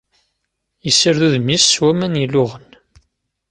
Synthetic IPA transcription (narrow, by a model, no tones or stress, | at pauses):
jəsːəɾðuðmisːwæmænjilʊʁən